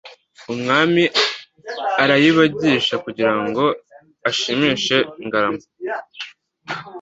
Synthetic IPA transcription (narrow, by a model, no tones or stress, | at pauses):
umŋaːmi | aɾajiβaɟiːʃakuɟiɾaŋɡo̞ | aʃimiːʃe̞iŋɡaɾamo